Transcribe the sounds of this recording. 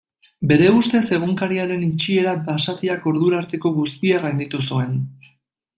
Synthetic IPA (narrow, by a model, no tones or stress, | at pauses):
be̞ɾe̞ust̪e̞se̞ɣ̞uŋkaɾiaɾe̞nit͡ʃie̞ɾabasat̪iako̞ɾðuɾaɾt̪e̞ko̞ɣust̪ierajnd̪it̪usue̞n